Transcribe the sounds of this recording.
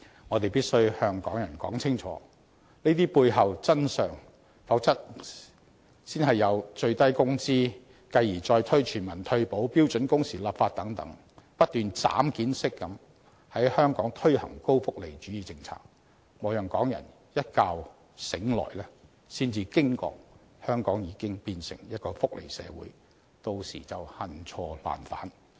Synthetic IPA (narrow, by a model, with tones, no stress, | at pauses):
ŋɔː˨˧t̪e˨jpiː˥t̚sɵ˥ɥhœː˧ŋkɔ̰ː˨˥ŋjɐ˨˩nkɔ̰ː˨˥ŋt͡sʰɪ˥ŋt͡ʃʰɔ̰ː˨˦ | niː˥t̪̬iː˥puː˧jɦɐ˨wt͡sɐ˥nsœː˨ŋ | fɐ˨˥wt͡sɐ˥t̚ | siː˥nɦɐ˨jːɐ˨˧wt͡ʃɵ˧ɥt̪ɐ˥jkʊ˥ŋsiː˥ | kɐ˧jiː˨˩t͡sɔː˧jt̪ʰɵ˥ɥt͡ʃʰyː˨˩nmɐ˨˩nt̪ʰɵ˧ɥpo˨˥wpiː˥wt͡ʃɵ˨˥nkʊ˥ŋsiː˨˩laː˨˩p̚faː˧t̚t̪ɐ˨˥ŋt̪ɐ̰˨˥ŋ | pɐ˥t̚t̪yː˨nt͡sa̰ː˨˥mkiː˨˥nsɪ˥kːɐ˨˧m | hɐ˨˥jhœː˥ŋkɔː˨˥ŋt̪ʰɵ˥ɥhɐ̰˨˩ŋko˥wfʊ˥k̚le˨˩jt͡ʃyː˨˥jiː˨˧t͡sɪ˧ŋt͡sʰa̰ː˧˥k̚ | mɔː˨˧wjœ˨˩ŋkɔː˨˥ŋjɐ̰˨˩n | jɐ˥t̚kaː˧w | sɪ˨˥ŋlɔ̰ː˨˩jlɛː˥ | siː˥nt͡siː˧kɪ˥ŋkɔ̰ː˧k̚ | hœː˥ŋkɔː˨˥ŋjiː˨˧kɪ˥ŋpiː˧nsɪ̰˨˩ŋjɐ˥t̚kɔː˧fʊ˥k̚lʔḛ˨˩jsɛ̰ː˨˧wṵː˨˥j | t̪o˧wsḭː˨˩t͡sɐ˨whɐ˨nt͡sʰɔː˧la̰ː˨˩nfa̰ː˨˥n